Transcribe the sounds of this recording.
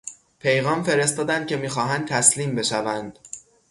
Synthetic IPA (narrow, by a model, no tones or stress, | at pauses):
pʰe̞jɣɒːmfe̞ɾe̞st̪ɒːd̪ænd̪̥̚cʰe̞miːxɒːɦænd̪̚t̪ʰæsliːmbe̞ʃævænd̪̥